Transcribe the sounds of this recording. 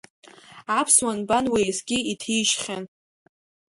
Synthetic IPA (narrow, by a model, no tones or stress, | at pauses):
apʰswanbanwejsɡʲiitʰiʃχʲan